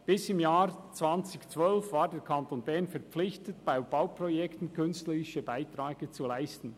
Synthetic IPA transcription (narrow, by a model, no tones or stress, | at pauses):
b̥ɪsɪmjaːɾt͡sv̥ant͡sɪçt͡svœlfvaːɾdeːɾkʰantonbɛʁnfɛɾp͡flɪçtətb̥aɪb̥awpʁojɛktn̩kʰʏnstləɾɪʃəbaɪtɾaːɡ̥ət͡sulaɪstn̩